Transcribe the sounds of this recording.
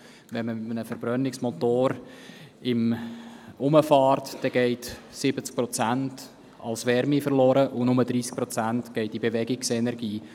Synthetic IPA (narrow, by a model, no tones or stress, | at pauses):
vɛnməmɪt̪mənəfəɾb̥ɾœnɪksmɔtoːɾ | ɪm | ʊməfɑːrtd̥ɛɡ̥ɛɪtsɪbət͡sk̚pɾɔt͡sænt | ɑ̰lsʋɛɾmifərlɔːɾəʔʊnʊməd̥ɾiːsk̚pɾɔt͡sæntɡ̥ɛɪt̚ibeʋɛɡɪksɛnɛɾɡiː